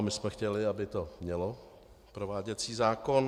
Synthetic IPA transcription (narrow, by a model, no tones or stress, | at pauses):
mɪsmɛxcɛlɪabɪt̪o̞mɲɛlo | pɾo̞vaːɟɛt͡siːzaːko̞n